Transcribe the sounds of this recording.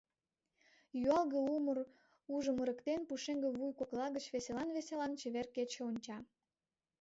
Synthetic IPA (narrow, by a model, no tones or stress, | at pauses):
jyɑlɣəumər | uʒəməɾəkt̪enpuʃeŋɡĕβujkoklɑɣət͡ɕβeselɑnβeselɑnt͡ɕĕβerket͡ɕeonʲt͡ɕɑ